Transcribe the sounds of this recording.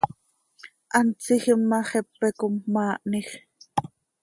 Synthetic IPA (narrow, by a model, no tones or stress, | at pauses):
ʔɑnt͡sixəmːɑχɛpːɛkomːɑːʔnix